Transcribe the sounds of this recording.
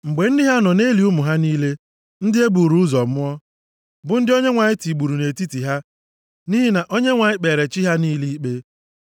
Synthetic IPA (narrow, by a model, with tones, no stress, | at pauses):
ŋ͡m̩˨ɡ͡be˨n̩˦dɪ˦ɦa˦nɔ˨ne˦li˨ʊ˦mʊ˨ɦa˦niː˦le˦ | n̩˦dɪ˦e˦bu˨ɾu˨˦zɔ˨m˦ɔ˦ | bʊ˨˦n̩˦dɪ˦o˦ɲe˦ŋʷa˨ɲɪ˦ti˨ɡ͡bu˨ɾu˨ne˨ti˦ti˨ɦa˦ | niː˦ɦi˦na˨ʔo˦ɲe˦ŋʷa˨ɲɪ˦k͡pe˨ɾe˨t͡ʃi˦ɦa˦niː˦li˦i˦k͡pe˦